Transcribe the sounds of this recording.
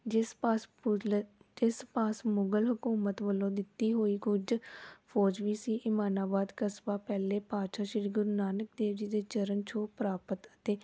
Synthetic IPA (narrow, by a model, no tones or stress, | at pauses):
d͡ʒɪspaːsmʊɡəlɦʊkuːmət̪ʋəlõːd̪ɪt̪ːiːɦoːiːkʊd͡ʒpʰɔːd͡ʒʋiːsiːʔɪmaːnaːbaːd̪kəsbaːpɛːleːpaːʃaːʃɪɾɡʊɾnaːnək̚d̪eːʋd͡ʒiːd̪eːt͡ʃəɾənt͡ʃʰoːpɾaːpət̪ət̪eː